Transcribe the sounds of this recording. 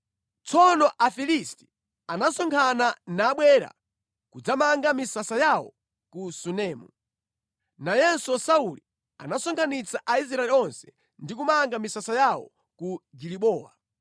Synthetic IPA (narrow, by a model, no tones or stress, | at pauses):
t͡sʰɔnɔʔafilisti̥ | anasɔŋkʰananaːɓwɛːɾa̰ | kud͡zamaŋɡamisasajawɔ̰ | kusunɛːmu | najɛnsɔsauli | a̰nasɔŋkʰanit͡saʔais̬ɾaɛliɔnsɛ̥ | ndik̬umaŋɡamisasajawɔ̰ | kuɡiɾiɓɔːwa̰